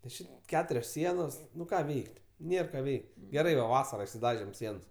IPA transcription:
nʲɛs ˈt͡ʃʲɪ ˈkʲæːtʊrʲoːs ˈsʲiɛnoːs ˈnʊ ˈkɑː ˈʋʲɛɪkʲtʲ ˈnʲeːr ˈkɑː ˈʋʲɛɪkʲ ɡʲɛˈrɐɪ ʋɐ ˈʋɑːsɐrɐ ɪʃʲsʲˈɪdɐʒʲeːm ˈsʲiɛns

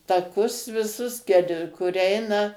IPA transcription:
tɐˈkʊs ʋʲɪˈsʊs kʲɛlˠ kʊr ˈɛɪnɐ

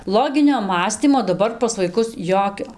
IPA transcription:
ˈlˠoːɡʲɪnʲoː ˈmɑːsʲtʲiːmoː dɐˈbɐr pɐs ʋɐɪˈkʊs ˈjoːkʲoː

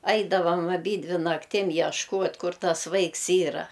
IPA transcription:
ˈɐɪdɐʋɐm ɐˈbʲiːdʲʋʲɪ nɐkˈtʲɪm jɛʃˈkuɔtʲ ˈkʊr ˈtɐs ˈʋɐɪks ˈiːrɐ

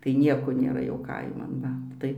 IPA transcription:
tɐɪ ˈnʲiɛkoː nʲeːˈrɐ jɛʊ ˈkɐɪmɐn ˈʋɐ ˈtɐɪ

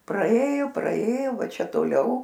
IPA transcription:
prɐˈeːjʊ prɐeːjʊ ˈʋɐ ˈt͡ʃʲɛ toːˈlʲɛʊ

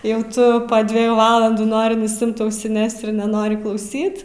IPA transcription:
ˈjɛʊ ˈtʊ pɐ dʲʋʲɛˈjuː ˈʋɑːlˠɐnduː ˈnoːrʲɪ nʊsʲɪˈɪmt ɐʊsʲɪˈnʲɛs ɪr nʲɛˈnoːrʲɪ klˠɐʊˈsʲiːt

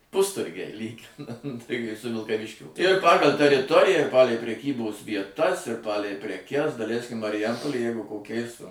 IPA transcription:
ˈpʊstʊrʲɡʲɛɪ ˈlʲiːɡʲɪnɐnt tɐɪ kɐɪ sʊ ʋʲɪlˠkɐˈʋʲɪʃʲkʲoː ɪr ˈpɑːɡɐlʲ tʲɛrʲɪˈtoːrʲɪjæː ɪr ˈpɑːlʲɛɪ pʲrʲɛˈkʲiːboːs ʋʲiɛˈtɐs ɪr ˈpɑːlʲɛɪ pʲrʲɛˈkʲɛs dɐˈlʲɛɪsʲkʲɪm mɐrʲɪˈjɛmpoːlʲeːj ˈjɛɪɡʊ koːˈkʲɛɪs

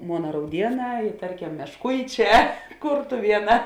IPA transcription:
ˈmoːnɐ rɐʊˈdʲiɛˌnɑː ɪ ˈtɐrʲˌkʲɛm mʲɛʃˈkʊɪˌt͡ʃʲɛː ˈkʊrtʊʋʲiɛˌnɑː

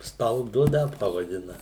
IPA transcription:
stɐlˠˈdʊ ˈnʲɛt pɐʋɐˈdʲɪnɐ

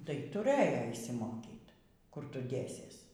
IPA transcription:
tɐɪ tʊˈrɘjoː ɪʃʲsʲɪˈmoːkʲiːt ˈkʊr ˈtʊ ˈdʲeːsʲiɛs

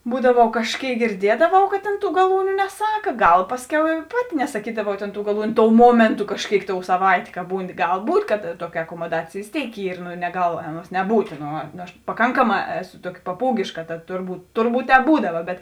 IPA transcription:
ˈbuːdɐʋɐʊ kɐʃʲˈkʲeːɪk ɡʲɪrʲˈdʲiɛdɐʋɐʊ kɐt tʲeːn ˈtuː ɡɐˈlˠuːnʲʊ nʲɛˈsɑːkɐ ˈɡɐlˠ ˈpɑːsʲˌkʲɛʊ ɪ ˈpɑːˌtʲɪ nʲɛsɐˈkʲiːdɐʋɐʊ tʲeːn tuː ɡɐˈlˠuːnʲʊ ˈtoːʊ ˈmuɔmʲeːntʊ kɐʃʲˈkʲeːɪk toːʊ sɐˈʋɐɪtʲeː kɐ ˈbuːnʲɪ ˈɡɐlˠ ˈbuːtʲ kɐt ˈtuɔkʲɪ ɐkoːmoːˈdɑːt͡sʲeːj ʋʲeːs ˈtʲeːɪk ˈiːr nʊ nʲɛˈɡɐlˠ ˈɑːˌnuɔs nʲɛˈbuːtʲ ˈnoː ˈnʊ ɐʃ pɐˈkɐŋkɐˌmɑː ˈæːˌsʊ ˈtuɔkʲɪ pɐˈpuːɡʲeːʃkɐ tɐt ˈtʊrˌbuːt ˈtʊrˌbuːt ˈtʲɛːp ˈbuːdɐʋɐ bʲɛt

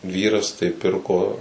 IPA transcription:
ˈʋʲiːrɐs tɐɪ ˈpʲɪrkoː

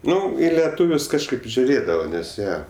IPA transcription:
ˈnʊ ɪ lʲɛˈtuːʋʲʊs kɐʃˈkɐɪp ʒʲʊˈrʲeːdɐʋɐ nʲɛs ˈjiɛ

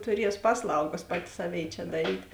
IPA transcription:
tʊˈrʲiɛs ˈpɑːsˌlˠɐʊɡɐs ˈpɑːtʲɪ ˈsɑːˌʋʲeːɪ t͡ʃʲɛ dɐˈrʲiːt

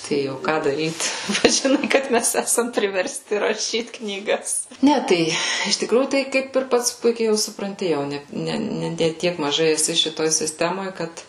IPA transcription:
ˈtɐɪ oː ˈkɑː dɐˈrʲiːt ˈpɐts ʒʲɪˈnɐɪ kɐt ˈmʲɛs ˈæːsɐm pʲrʲɪʋʲɛrʲsʲˈtʲɪ rɐˈʃʲiːt knʲiːˈɡɐs ˈnʲɛ ˈtɐɪ ɪʃ tʲɪkˈruːjuː ˈtɐɪ ˈkɐɪp ɪr ˈpɐts ˈpʊɪkʲɛɪ jɛʊ sʊprɐnʲˈtʲɪ jɛʊ ˈnʲɛ ˈnʲɛ nʲɛ ˈtʲiɛk mɐˈʒɐɪ ɛˈsʲɪ ʃʲɪˈtoːj sʲɪsʲˈtʲæːmoːj ˈkɐt

